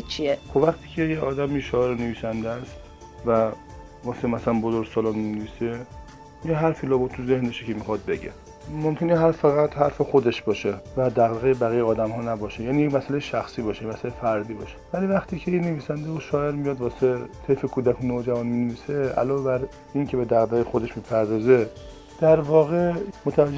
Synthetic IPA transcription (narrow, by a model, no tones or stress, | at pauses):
t͡ʃʰiexobvæxt̪ʰiːcʰejeɒːd̪æmiʃɒːeɾneviːsænd̪eæst̪ | væ | vɒːsemæsælænbozoɾɡsɒːlɒmineviːse | jeɦæɾfiːlɒːbot̪ʰuze̞hndeʃikʲʰemixɒd̪̚be̞ɟḛ | momkʰeneɦæɾfæɣæt̪hæɾfexo̞d̪e̞ʃbɒːʃevæd̪æɣd̪eɣejebæɣijeɒːd̪æmhɒːnæbɒːʃejæːnijecmæsælejeʃæxsiːbɒːʃejemæsælejefæɾd̪iːbɒ̰ʃe̥væliːvæxt̪ʰiːcʰejinːeviːsænd̪eoʃɒːe̞ɾmijɒːd̪vɒːset̪ʰefekʰuːd̪ækʰonoːd͡ʒævɒnmineviːseæ̰lɒːvebæɾ | incʰebe̞d̪æɣd̪æɣjexod̪e̞ʃmiːpʰæɾd̪ɒːze̞ | d̪̥æɾvɒːɣe̞mot̪ʰævæd͡ʒː